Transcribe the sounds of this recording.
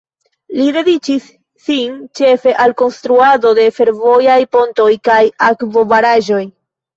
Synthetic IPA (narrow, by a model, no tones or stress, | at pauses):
lide̞dit͡ʃisː | int͡ʃe̞fe̞ʔalko̞nstɾuado̞de̞fe̞ɾvo̞jajpo̞nto̞jkajakvo̞vaɾaʒo̞j